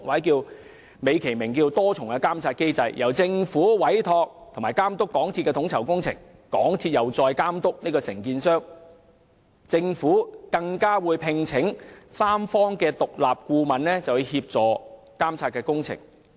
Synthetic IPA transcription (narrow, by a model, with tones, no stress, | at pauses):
waː˨˥jkiː˧w | me˨˧jkʰe˨˩jmɪ˨˩ŋkiː˧wt̪ɔː˥t͡sʰʊ˨˩ŋɐ˨˧kaː˥mt͡sʰaː˧t̚ke˥jt͡sɐ˧jjɐ˨˩wt͡sɪ˧ŋfuː˨˥wɐ˨˥jt̪ʰɔː˧k̚t̪ʰʊ˨˩ŋmaː˨˩jkaː˥mt̪ʊ˥kːɔː˨˥ŋt̪ʰi˧t̚kɛː˧ʊ˨˥ŋt͡sʰɐ˨˩wkʊ˥ŋt͡sʰɪ̰˨˩ŋ | kɔː˨˥ŋt̪ʰiː˧t̚jɐ˨˩wt͡sɔː˧jkaː˥mt̪ʊ˥k̚niː˥kɔː˧sɪ˨˩ŋkiː˧nsœː˥ŋ | t͡sɪ˧ŋfuː˨˥kɐ˧ŋkaː˥wuː˨˧jpʰɪ˧ŋt͡sʰɪ˨˥ŋsaː˥mfɔː˥ŋkɛː˧t̪ʊ˨k̚laː˨p̚kuː˧mɐ˨nlɛː˥t͡sɐ˨˩wu˨˧jhiː˧p̚t͡sɔː˨˩ | kaː˥mt͡sʰaː˧t̚kɛː˧kʊ˥ŋt͡sʰɪ̰˨˩ŋ